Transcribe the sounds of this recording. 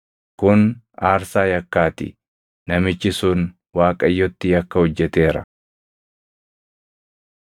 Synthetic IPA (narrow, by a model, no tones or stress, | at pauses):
kʊn | aːɾsaːjɐkːaːt̪ɪ̰ | nɐmɪt͡ʃːɪsʊn | waːkʼɐjːɔt̪ːɪjɐkːɐhɔd͡ʒːɛt̪e̞ːɾɐ̰